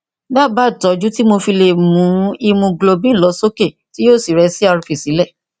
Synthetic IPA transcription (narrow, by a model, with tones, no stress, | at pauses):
ba˦˨ba˦˨tɔ˨˦d͡ʒu˦ti˦mo˧fi˧le˧˨mũ˨˦i˧mũ˧ɡlo˧bĩ˦˨lɔ˨˦so˦ke˦˨ti˦joː˦˨si˨ɾɛ˨˦si˦a˧ɾũ˧fi˨si˨˦lɛ˦˨